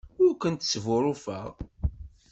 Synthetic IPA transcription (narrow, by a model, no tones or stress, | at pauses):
ʊɾkʷənt̪svʊɾˤʊfəʁ